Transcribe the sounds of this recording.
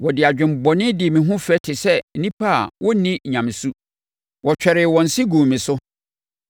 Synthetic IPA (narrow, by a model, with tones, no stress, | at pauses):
wɔ˨dɪ˨a˨d͡ʑᶣɪ̃˨m̩˨bɔ˨nɪ̃˦dɪ˨mĩ˨ɦʊ̃˦fɛ˦tʰɪ˨sɛ˦n̩˦nĩ˦pʰa˦a˨wɔ˦nĩ˦˨ɲã˨mɪ̃˨su˦ | wɔ˨t͡ɕᶣɛ˨ɾɪ˨wɔ̃˨n̩˨si˦ɡũ˨mĩ˨sʊ˦